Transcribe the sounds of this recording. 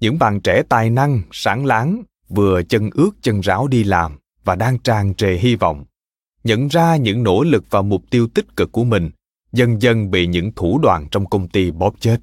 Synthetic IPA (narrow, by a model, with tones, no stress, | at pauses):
ɲɨ̰˧˥ŋɓa̰ː˧˨nt͡ɕɛ˧˩t̪aː˨˩jna˧ŋsaː˨˦ŋlaː˨˦ŋ | vɨ˨˩ət͡ɕə˧nʔɨ˦˥ək̚t͡ɕə˧nzaː˨˦wɗi˧laː˨˩m | vaː˨˩ɗaː˧ŋt͡ɕaː˨˩ŋt͡ɕe˨˩ɦi˧vɔ̰˧˨wŋ͡m | ɲə̰˧˨nzaː˧ɲɨ̰˧˥ŋno̰˧˥lɨ˨˩k̚vaː˨˩mʊ˨˩k͡p̚t̪i˧əwt̪ï˦˥t̚kɨ˨˩kːu˧˩əmï˨˩ŋ̟ | zə˧nzə˧nɓḭ˧˨ɲɨ̰˧˥ŋt̪ʰu˧˩ɗwa̰ː˧˨nt͡ɕɔ˧wŋ͡mkə˧wŋ͡mt̪i˧ɓɔ˨˦˥p̚t͡ɕe˦˥t̚